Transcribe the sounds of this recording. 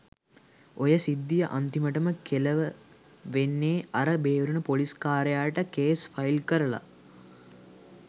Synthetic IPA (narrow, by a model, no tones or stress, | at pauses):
ojəsid̪ːijəʔant̪iməʈəməkʰeləʋə | ʋenːeːaɾəbeːɾunəpoliskaːɾejaːʈəkeːsfailkəɾəla̰